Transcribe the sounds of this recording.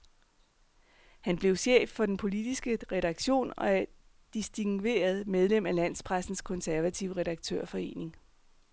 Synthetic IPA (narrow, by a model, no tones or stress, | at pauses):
hænb̥le̝ʊɕḛːfːɒ̽d̥enpʰo̝lid̥isɡ̥əʁɛɾ̥ɑ̈ɡ̥ɕo̝̰ːnɒ̽æɐ | d̥isd̥iŋʋe̝̰ːɐð̞ˠmeð̞ˠlemælæn̰spʰʁasn̩skʰɔ̽nsæɐʋæt͡sʰiʊʁɛɾ̥ɑ̈ɡ̥̚t͡sʰø̰ɐ̰fɒ̽e̝̰ːne̝ŋ